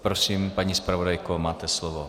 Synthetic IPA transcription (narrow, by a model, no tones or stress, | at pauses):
pɾosiːmpaɲispɾavodajkomaːt̪ɛslovo